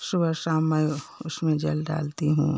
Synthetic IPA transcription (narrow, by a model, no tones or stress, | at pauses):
ʃʊbəɾsaːmːɛʊsmẽd͡ʒɐ̰lɖa̰ːlt̪iɦṵ̃ː